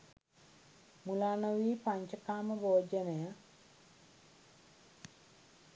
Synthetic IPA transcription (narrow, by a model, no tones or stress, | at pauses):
mulaːnɐʋiːpaɲt͡ʃɐkaːmɐboːd͡ʒɐnɐja